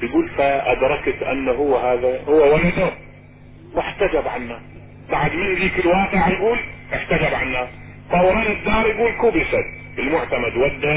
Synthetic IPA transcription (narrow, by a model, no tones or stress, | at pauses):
jɡuːlfaʔad̪ɾˤɑkt̪ʔa̰nːaɦʊwːahaːðahʊwːawalad̪ʊ | wɪħt̪ad͡ʒabʕanːaːsˤ | baʕd̪mɪnðiːkɪlwaːqɪʕjɡuːlʔɪħt̪ad͡ʒabʕanːaːsˤ | fˤɑwɾˤɑːnɪd̪ːɑːɾˤjɡuːlkuːbɪʃad̪ | bɪlmʊʕt̪amad̪wad̪ːa